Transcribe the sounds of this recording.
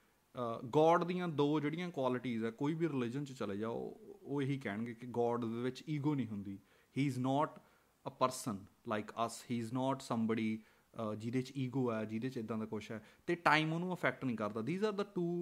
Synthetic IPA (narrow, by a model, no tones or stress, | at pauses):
ɡɔːɖd̪ijãːd̪oːd͡ʒeːɽɪijãːkwaːlɪʈiːzɛːkoːiːbiːɾɪlɪd͡ʒənt͡ʃt͡ʃəleːd͡ʒa̰ːoːeɦiːkɛːɳɡeːkɪɡɔːɖd̪eːʋɪt͡ʃiːɡoːnĩːɦʊnd̪iː | hiːɪznɔːʈ | əpəɾsənlaɪkəshiːznɔːʈsəmbəɽiː | d͡ʒɪd̪eːt͡ʃiːɡoːɛːd͡ʒid̪eːt͡ʃɪd̪ãːd̪aːkʊʃɛːt̪eːʈaːɪmoːnũːəpʰɛːk̚ʈnəĩːkəɾd̪aːd̪iːzaːɾd̪əʈuː